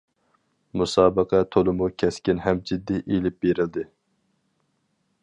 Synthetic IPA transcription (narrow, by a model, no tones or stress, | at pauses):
musɑːbəqʰɛt̪ʰolˠɨmukʲʰɛskʲinɦɛmd͡ʒid̪ːiʔelɪp̚beɾɪld̪ɪ